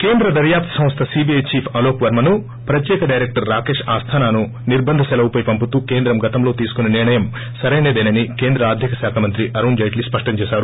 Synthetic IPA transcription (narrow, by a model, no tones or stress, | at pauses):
keːnd̪ɾɐd̪ɐɾjaːp̚t̪ʰɐ̥sɐ̃m̃st̪ʰɐsiːbijɐjt͡ʃiːpʰɐloːpʋɐɾmɐnu | pɾɐt̪jɛːkɐɖɐjɾek̚ʈɐɾːaːkeːʂaːst̪ʰaːnaːnu | niɾbɐnd̪ʱɐsɛlɐwupɐjpɐmput̪uːke̞ːnd̪ɾɐmɡɐt̪ɐmlo̞ːt̪iːsu̥kunɐniɾɳɐjɐm | sɐɾɐjneːd̪eːnɐnikeːnd̪ɾɐaːd̪ʱjɐkɐsaːkʰamɐnt̪ɾiʔɐɾund͡ʒɐjʈlispɐʂʈɐɲt͡ʃeːsaːɾu